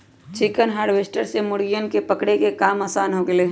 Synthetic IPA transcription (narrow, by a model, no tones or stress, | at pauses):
t͡ʃɪkənɦaːɾʋeːsʈəɾsemʊɽɡijənkepəkɽekekaːmaːsaːnɦoːɡeleː